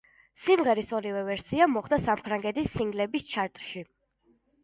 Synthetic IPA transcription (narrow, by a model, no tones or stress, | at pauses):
simʁɛɾisɔɾivɛvɛɾsiamɔχd̪asampʰɾaŋɡɛt̪isːiŋɡlɛbist͡ʃʰaɾt̪ʼʃi